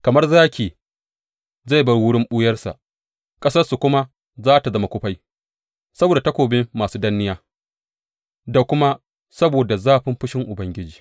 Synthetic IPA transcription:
kɐ˨mɐ˦rzaː˦kʲeː˨ | za˦˨jbɐ˦rwʊ˦ɽɪ˦mɓʊ˦jɐ˦rsa̰˨ʔ | kʼɐ˦sɐ˦rsu˨kʷʊ˦ma˦ | zaː˦ta˨zɐ˦ma˨kʷʊ˦ɸa˦j | sɐ˦boː˨da˨tɐ˦kʷoː˨bɪ˦mːaː˨suː˦dɐ˦nːɪ˦jaː˦ | da˨kʷʊ˦ma˦ | sɐ˦boː˨da˨zaː˦ɸɪ˦mɸɪ˦ʃɪ˦ŋʔʊ˨bɐ˦ŋɡʲɪ˦d͡ʒiː˨

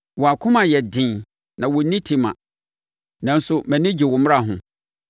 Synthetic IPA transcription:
wɔ˨a˨kʰʊ̃˦mã˨jɛ˨dɪ̃˨ | nã˨wɔ˨˦nĩ˦tʰi˨˦mã̰˨ | nã˨˦n̩˦sʊ˦mæ̃˨nɪ̃˦d͡ʑi˨wʊ˨m̃˦a˦˨ɦʊ̰̃˨

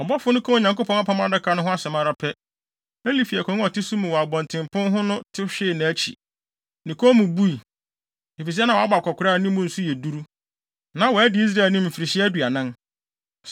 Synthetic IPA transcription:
ɔ˨bɔ˦fʊ˦nʊ̃˦kʰɔ̃˦˨ɲã˨ŋko˦pʰɔ̃˦a˦pʰɔ̃˦a˨da˦kʰa˨˦nʊ̃˦ɦʊ̃˦a˦sɛ˨mã˦ɾa˦pʰɛ˦ | æ̃˦li˦fi˨ɛ˨kʰɔ̃˨ŋ˦ɔ˨tɪ˦su˦mũ˨wɔ˨a˨bɔ̃˨ntʰɪ̃˨mpʰʊ̃˦nɦʊ̃˦nʊ̃˦tʰɪ˦ɕᶣɪ˦˨nã˨æ˦t͡ɕʰḭ˨ | nɪ̃˨kʰɔ˦mũ˨bu˦i˨ | e˨fi˨s̬i˦ɛ˦nã˨wa˦ba˨kʰʷɔ˨kʰʊ˨ɾaː˦˨nĩ˦mʊ̃˦n̩˦su˦jɛ˨du˦ɾu˦ | nã˨˦wɔ˨æ˦dɪ˨˦i˦s̬ɾa˦˨nĩ˦m̩˨fi˨ɾi˨ɕɪ˦æ˦du˨a˨nã˦

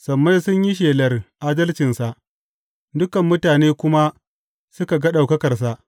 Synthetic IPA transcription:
sɐ˨mːa˦jsʊ˦ɲji˦ʃ̬eː˨lɐ˨rʔaː˦dɐ˦lt͡ʃɪ˨nsa˨ʔ | dʊ˦kɐ˨mːʊ˦taː˨neː˦kʷʊ˦ma˦ | sʊ˦ka˨ɡɐ˦ɗa˨wkɐ˦kɐ˨rs̬a˨ʔ

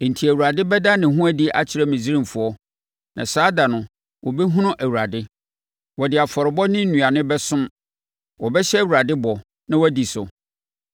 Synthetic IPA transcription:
n̩˨tʰi˨æ˨wu˨ɾa˨dɪ˦bɛ˦da˦nɪ̃˨ɦʊ̃˦æ˦di˦ʔa̰˦˨t͡ɕʰɪ˨˦ɾɛ˦mĩ˨d͡zi˦ɾĩ˦mfʊ˨ɔ˦ | nʔã̰˨saː˦da˨nʊ̃˨ | wʔɔ˨bɛ˦ɦũ˦nʊ̃˦ʔæ˨wu˨ɾa˨dɪ˦ | wɔ˨dɪ˨a˨fɔ˨ɾɪ˨bɔ˦nɪ̃˦n̩˦nũ˨a˨nɪ̃˦bɛ˦sʊ̃˦m | wɔ˨bɛ˦ɕɛ˦˨wu˨ɾa˨dɪ˦bɔ˨ | nã˦wɔ˦di˨sʊ˨

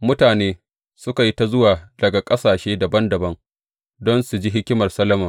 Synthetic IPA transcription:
mʊ˦taː˨neː˦ | sʊ˦ka˨ji˦ta˦zʊ˦waː˨dɐ˨ɡa˨kʼɐ˦saː˨ʃeː˦dɐ˨bɐ˦ndɐ˨bɐ˦ŋ | dɔ˦nsu˨d͡ʒi˦ɦɪ˦kʲɪ˦mɐ˨rsɐ˦lɐ˦mɐ˨

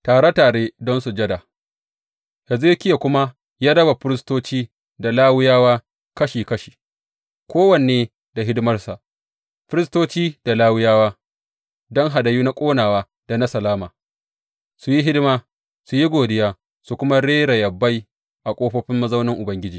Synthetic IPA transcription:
taː˨ɽa˦taː˨ɽeː˦dɔ˦nsu˨d͡ʒɐ˦da˨ | hɛ˨zɪ˦kʲɪ˦ja˨kʷʊ˦ma˦ | jaː˦dɐ˦ba˨ɸɪ˦ɾɪ˦s̬toː˦t͡ʃiː˦ | da˨laː˦wɪ˦jaː˦waː˦ | kɐ˦ʃiː˨kɐ˦ʃi̥ː˨ | kʰʷoː˦wɐ˨n˨eː˦ | da˨ɦɪ˦dɪ˦mɐ˦rsa˨ʔ | ɸɪ˦ɾɪ˦stoː˦t͡ʃiː˦d̥a˨laː˦wʊ˦jaː˦waː˦ | dɔ˦ŋɦa˨dɐ˨juː˦na˦kʷʼoː˦naː˨waː˦ | d̥a˨na˦sɐ˨laː˦maː˨ | su˨ji˦ɦɪ˦dmaː˦ | su˨ji˦ɡʷoː˨dɪ˦jaː˦ | su˨kʷʊ˦ma˦ɽeː˦ɾa˨jɐ˨bːa˦j | ʔa˨kʷʼoː˦ɸɐ˦ɸɪ˦mːɐ˦zɐ˦wnɪ˦ŋʔʊ˨bɐ˦ŋɡʲɪ˦d͡ʒiː˨

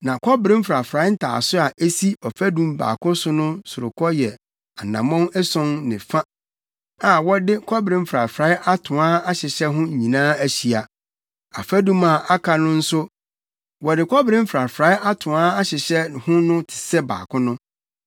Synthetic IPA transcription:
nã˨kʰɔ˦bɾɪ̃˦m̩˦fɾa˨fɾa˨˦n̩˦tʰa̰ː˨sʊ˦a˨ʔe˦si˦ɔ˨fæ˦dũ˦mba̰ː˨kʊ̃˦sʊ˦nʊ̃˦sʊ˨ɾʊ̰˨kʰɔ˦jɛ˨ | a˨nã˨mɔ̃˦nɛ˦sɔ̃˦nnɪ̰̃˨fa˦ | a˨wɔ˦dɪ˦kʰɔ˦bɾɪ̃˦m̩˦fɾa˨fɾa˨˦ʔa˦tʰʊ̃˨a˦a˦ɕɪ˨ɕɛ˦ɦʊ̃˦˨ɲĩ˨nãː˦æ˦ɕi˨a˨ | a̰˨fæ˦dũ˦ma˨a˦kʰa˨nʊ̃˦n̩˦sʊ˦ | wɔ˨dɪ˨kʰɔ˦bɾɪ̃˦m̩˦fɾa˨fɾaː˨˦ʔa˦tʰʊ̃˨aː˦a˦ɕɪ˨ɕɛ˦hʊ̃˦nʊ̃˦tʰɪ̥˨sɛ˦ba̰ː˨kʰʊ̃˦nʊ̃˦

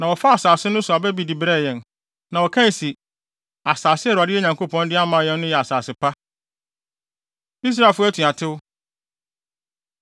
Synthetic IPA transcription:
nã˨wɔ˨fa˦a˨saː˨sɪ˦nʊ̃˦sʊ˨a˨bɛ˦bi˨di˨bɾɛ˦˨jɛ̃˨n | nã˨wɔ˨kʰã˦n˨si˨ | a˨saː˨sɪ˦ɛ˦ɾʊ˨a˨dɪ˦ɛ˦ɲã˨ŋkʰo˦pʰɔ̃˦ndɪ˦a˦mã˨jɛ̃˦nː˦ʊ̃˦jɛ˨a˨saː˨sɪ˨pʰa˦ | i˦s̬ɾa˦˨lfʊ˦æ˦tʰũ˨a˨tʰɪ˦wʊ˦

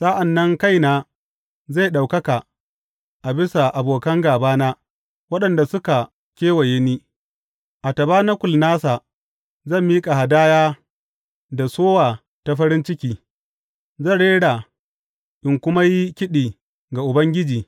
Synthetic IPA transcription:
sa˦ʔa˨nːɐ˦ŋka˦˨jnaː˨ | za˦˨ɗa˨wkɐ˦ka˨ | ʔa˨bɪ˦sa˨ʔa˨boː˨kɐ˦ŋɡaː˨baː˦naː˦ | wɐ˦ɗɐ˨nda˨sʊ˦ka˨ | kʲeː˦wɐ˨je˦niː˦ | ʔa˨tɐ˨baː˦na˦kʷʊ˨lnaː˦sa˨ | zɐ˦˨mːiː˦kʼa˨ha˨daː˦jaː˦ | da˨soː˦waː˨ | ta˨ɸɐ˦ɾɪ˦nt͡ʃɪ˦kʲiː˦ | zɐ˦˨nɽeː˦ɽaː˨ | ʔɪ˨ŋkʷʊ˦ma˦ji˦kʲɪ˦ɗiː˨ | ɡa˨ʔʊ˨bɐ˦ŋɡʲɪ˦d͡ʒiː˨

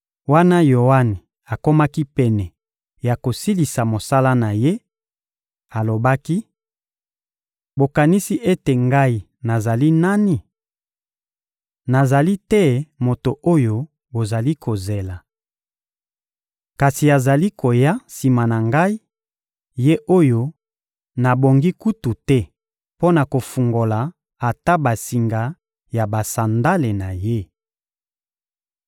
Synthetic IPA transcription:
wa˦na˦jo˨wa˦ni˨ | a˨ko˦ma˦ki˦pɛ˨nɛ˨ | ja˨ko˨si˦li˨sa˨mo˨sa˦la˦na˨je˦ | a˨lo˨ba˦ki˦ | bo˨ka˨ni˦si˦ʔe˦te˨ŋɡa˦i˨ | na˨za˨li˦na˦ni˨ | na˨za˨li˦tɛ˦mo˨to˨ʔo˦jo˦ | bo˨za˨li˦kʰo˨ze˨la˨ | ka˨si˨a˨za˨li˦ko˨ja˦si˨ma˨na˨ŋɡa˦i˦ | je˦ʔo˦jo˦ | na˨bo˨ŋɡi˦ku˦tu˨tɛ˦ | po˦na˨ko˨fu˨ŋɡo˨la˨ | a˨ta˦ba˨si˨ŋɡa˨ | ja˨ba˨sa˨nda˦le˨na˨je˦

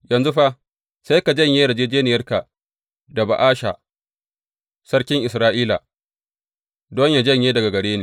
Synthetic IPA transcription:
jɐ˨nzu˦ɸa˦ | sa˦jka˨d͡ʒɐ˦˨ɲjeː˦da˨d͡ʒeː˦d͡ʒeː˦nɪ˨jɐ˦rka˨ | da˨ba̰˨ʔaː˦ʃa̰˨ | sɐ˦rkʲɪ˦ŋʔɪ˨sɾaː˦ʔiː˦la̰˨ | dɔ˦ɲja˨d͡ʒɐ˦ɲjeː˦dɐ˨ɡa˨ɡɐ˨ɽeː˦neː˨

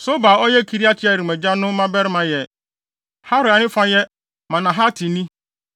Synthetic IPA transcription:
so˦ba˨ɔ˦jɛ˦˨kʰi˨ɾi˦a˦t͡ɕʰɪ˦a˨ɾi˨mæ̃˨d͡ʑa˦nʊ̃˦mã˦bɛ˦ɾɪ˦mã˨jɛ˨ | ha˦ɾɪ˨a˨nɪ̃˦fã˦jɛ˦ | mã˨nã˨ɦa˦tʰɪ̃˨nĩ˦

